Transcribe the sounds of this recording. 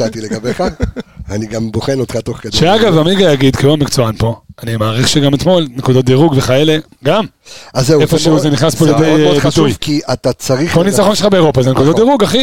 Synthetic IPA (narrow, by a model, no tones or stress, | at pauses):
alt̪ileabeχaaniɡamboχenot̪χat̪oχkadʃeaɡavamiɡajaɡid̪kiuamikt͡soanpo̞animaːʁiχʃeɡamet̪mo̞lnekud̪ot̚d̪iʁuɡveχajele̞ | ɡam | azeefoʃuzeniχnaspoaljed̪ejbiʃt̪ujvkiʔat̪at͡saʁikonit͡saχo̞nʃeχabe̞ːʁo̞pazenekud̪otd̪iʁuɡaχi